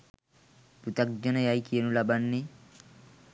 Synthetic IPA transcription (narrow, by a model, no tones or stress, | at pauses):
put̪ak̚d͡ʒɔnɐjajkienulabanːi